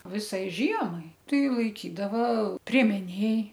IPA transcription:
ˈʋʲɪsɐɪ ˈʒʲiɛmɐɪ ˈtɐɪ lˠɐɪˈkʲiːdɐʋɐ pʲrʲiɛmʲɛˈnʲeːj

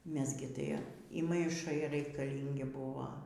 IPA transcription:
ˈmʲɛs ɡʲɪ ˈtɐɪ iː mɐɪˈʃɐɪ rɐɪkɐˈlʲiːŋʲɡʲɪ ˈbuːʋoː

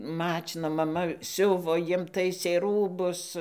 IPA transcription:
ˈmɑːt͡ʃʲɪnɐ mɐˈmɐ ˈsʲʊʋoː ˈjiɛm ˈtɐɪsʲeː ˈruːbʊs

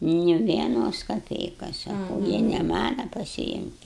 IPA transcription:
nʲɪ ʋʲiɛˈnoːs kɐˈpʲɛɪkɐs sɐˈkɐʊ jɛɪ nʲɛ ˈmɑːnɐ pɐsʲɪˈɪmʲkʲɪt

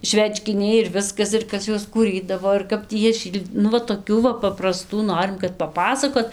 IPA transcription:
ˈʃʲʋʲæːt͡ʃʲkʲɪnʲɛɪ ɪr ˈʋʲɪskɐs ɪr ˈkɐs ˈjuɔs kuːˈrʲiːdɐʋoː ɪr ˈkɐp tʲiː jiɛ ˈʃʲiːlʲ nʊ ˈʋɐ toːˈkʲuː ʋɐ pɐprɐˈstuː ˈnoːrʲɪm kɐt pɐˈpɑːsɐkoːt

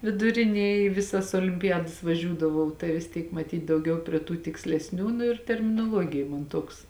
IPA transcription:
ʋʲɪdʊˈrʲɪnʲeːj ɪ ˈʋʲɪsɐs oːlʲɪmʲpʲɪˈjæːdɐs ʋɐˈʒʲuːdɐʋɐʊ tɐɪ ʋʲɪs ˈtʲiɛk mɐˈtʲiːt dɐʊˈɡʲɛʊ pʲrʲiɛ ˈtuː tʲɪksʲlʲɛsʲˈnʲuː ˈnʊ ɪr tʲɛrʲmʲɪnoːˈlˠuɔɡʲɪjɛ mɐn ˈtuɔks

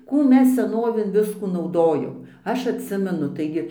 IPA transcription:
ˈkuː ˈmʲɛs sʲɛˈnoːʋʲeːn ˈʋʲɪskuː nɐʊˈdoːjoːm ˈɐʃ ɐtʲˈsʲɪmʲɛnʊ ˈtɐɪɡʲɪ

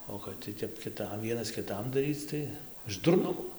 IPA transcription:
oː kɐt ˈtʲɪ tʲɛp kʲɪˈtɐm ˈʋʲiɛnɐs kʲɪˈtɐm dɐˈrʲiːt͡s tɐɪ ɪʃ dʊrˈnʊmoː

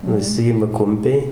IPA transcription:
nʊˈsʲɪjɪmɐ ˈkʊmʲpʲɛɪ

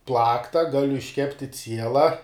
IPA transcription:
ˈplˠɑːktɐ ˈɡɑːlʲʊ ɪʃʲˈkʲæːpʲtʲɪ ˈt͡sʲiɛlˠɐ

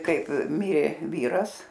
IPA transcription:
ˈkɐɪp ˈmʲɪrʲeː ˈʋʲiːrɐs

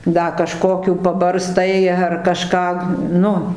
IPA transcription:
ˈdɐ kɐˈʃkoːkʲuː pɐbɐrˈstɐɪ ɐr kɐˈʃkɑː ˈnʊ

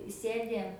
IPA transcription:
ˈsʲeːdʲɪ

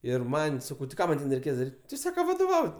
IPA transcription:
ɪr ˈmɐnʲ ˈsɑːkɐʊ tʲɪ ˈkɑː mɐnʲ ˈtʲɛn rʲɛɪˈkʲeːs dɐˈrʲiːtʲ ˈtʲɪ ˈsɑːkɐ ʋɐdoːˈʋɐʊtʲ

